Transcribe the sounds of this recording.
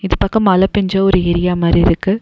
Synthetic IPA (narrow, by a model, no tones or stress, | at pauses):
ɪðɯpɐkːɐ̃mɐlɐpɛɲd͡ʒɐːɔɾɯɛɾɪjaːmaːd̪ɾiɪɾɯkːɯ